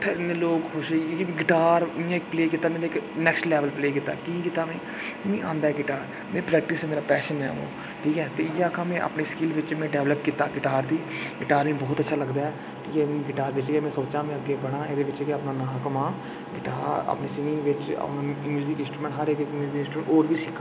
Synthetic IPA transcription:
t̪ʰːɪnːloːkkʊʃẽɡɪʈaːɾmĩːãɪkpleːkit̪ːaːmeːɾɪknɛːksʈlɛːʋəlpleːkit̪ːa̰ːkĩːkit̪ːaːmɛ̃ː | mĩːʔã̰ːnd̪aːɦɛːɡɪʈaːɾ | mɛ̃ːpɾɛːk̚ʈɪsɛːmeːɾaːpɛːʃənɦɛ̰ːo̰ː | ʈʰiːkɛːt̪eːɪjaːkãːmɛ̃ːʔə̰pneːskɪlʋɪt͡ʃmɛ̃ːɖɛːʋləpkiːt̪aːɡɪʈaːɾd̪iːɡɪʈaːɾʋĩːbɔːt̪ətːʃʰaːləɡd̪aːɦɛː | kiːɛɡɪʈaːɾʋɪt͡ʃːeːmɛ̃ːsoːt͡ʃãːmɛ̃əɡːeːbəɽ̃ãːed̪eːʋɪt͡ʃeɡeəpnãːnaːkəmãː | ɡɪʈaːɾə̰pneːsɪŋɡɪ̃ŋɡʋɪt͡ʃə̰pnamjuːzɪkɪ̃nsʈɾuːmɛ̃ɳʈɦəɾekkmjuːzɪkɪ̃nsʈɾumɛ̃ːɳʈoːɾʋiːsɪkʰːa

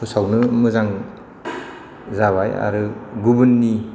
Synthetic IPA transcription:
usawnɯmɯzaŋ | zaβaja̰ɾɯɡubɯnːi

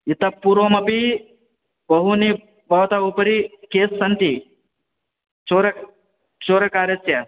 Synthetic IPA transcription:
jit̪ɐpːuɾoːmɐpi | bɐɦuni | bɐʋt̪aupɐɾikeːsːɐnt̪i | t͡ʃoːɾ | t͡ʃoːɾɐkaːɾɐsjɐ

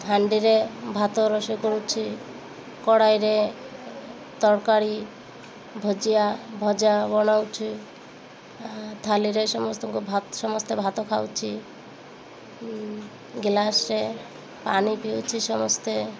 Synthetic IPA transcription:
t̪ʰaɳɖiɾebʱat̪ɔɾɔsɔkɔɽut͡ʃʰi | kɔɽajɾe | t̪ɔɾkaɾi | bʱɔd͡ʒijabʱɔd͡ʒabɔnawt͡ʃʰi | t̪ʰaliɾesɔmɔst̪ɔkubʱasɔmɔst̪ebʱat̪ɔkʰawt͡ʃʰi | ɡilasɾe | pa̰nipiwt͡ʃʰisɔmɔst̪e

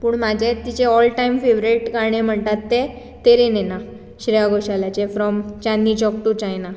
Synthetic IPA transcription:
puːɳmad͡ʑʱet̪ːit͡ɕeɔlʈaimfeʋɾeʈɡaɽ̃em̤əɳt̪at̪ːe | t̪eɾenena | ɕɾɛjaɡoɕaljat͡ɕefɾɔmt͡ɕãnːit͡ɕɔk̚ʈut͡ɕajna

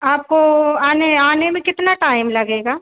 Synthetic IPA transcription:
aːp̚koaːneaːnemẽkɪt̪naʈaːɪmlɐɡeːɡaː

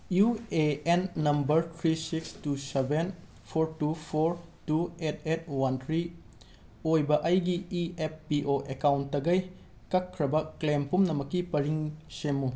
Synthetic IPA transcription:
jueenːɐmbɐɾt̪ʰɾisikstuseben | pʰoɾtupʰoɾtuet̚ʰet̚ʰwɐntʰɾi | ojbɐʔɐjɡiieppiʔoʔekawntːɐɡɐj | kɐkʰːɾɐbɐklempumnɐmɐkːipɐɾiŋsemːu

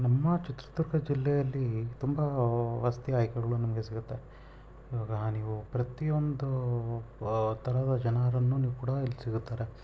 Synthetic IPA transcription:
nɐmːɐt͡ʃit̪ɾɐ̥t̪uɾkɐd͡ʒilːɛjɐlːit̪umbɐʋast̪iaːjkɛɡɐɭunɐmɐɡe̞siɡut̪ːe | iːʋaːɡɐniːʋupɾɐt̪ijo̞nd̪u | t̪ʰɐɾɐd̪ɐd͡ʒɐnaɾɐnːuːniːʋukuːɽɐilːisiɡut̪ːaːɾe

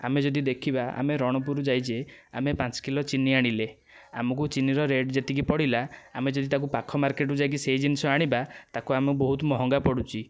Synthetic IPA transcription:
a̰med͡ʒɔd̪id̪ekʰibaa̰meɾɔɽ̃ɔpuɾud͡ʒajd͡ʒeamepat͡ʃɔ̥kilɔt͡ʃiniaɽ̃ile | a̰mɔk̬ut͡ʃiniɾɔɾeɖd͡ʒet̪ik̬ipɔɽilaamed͡ʒɔd̪it̪ak̬upakʰɔmaɾkeʈud͡ʒajk̬isejd͡ʒinisɔaɽ̃ibat̪akuamubɔɦut̪ɔmɔɦɔŋɡapɔɽut͡ʃʰi

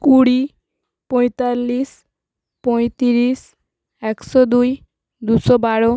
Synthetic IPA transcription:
kuɽi | pɔjt̪alːis | pɔjt̪iɾis | ɛksɔd̪uj | d̪usɔbaɽo

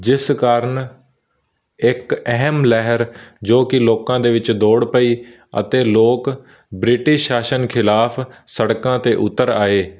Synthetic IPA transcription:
d͡ʒɪskaːɾəɳ | ɪkɛɦmlɛɦəɾd͡ʒoːkɪloːkãːd̪eːʋɪt͡ʃd̪oːɽpəiː | ə̰t̪eːloːk | bɾɪʈɪʃaːʃənkʰɪlaːpʰsəɽkãːt̪eːʔʊt̪ːəɾaːeː

